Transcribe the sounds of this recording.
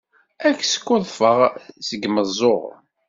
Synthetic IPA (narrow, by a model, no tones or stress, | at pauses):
ækːsə̥kːʊðˤfəʁsəɡməzˤːoʁ